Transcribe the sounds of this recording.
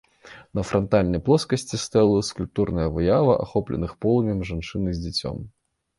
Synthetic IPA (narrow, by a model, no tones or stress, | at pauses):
nɐfɾɐnt̪alʲnɐjplˠɔskɐsʲt͡sʲist̪ɛlˠskulʲp̚t̪urnɐjɐvɨjavɐʔa̰xɔplʲɛ̰nɨxpɔlˠɐmʲɛmʐant͡ʂɨnɨzʲd͡zʲɛt͡sʲɔ̰m